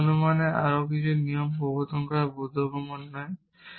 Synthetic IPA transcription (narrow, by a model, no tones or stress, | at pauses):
numaneʔaɾokit͡ɕʰunijompobot̪ɔŋkɾabod̪ʱːokɾomonːɔe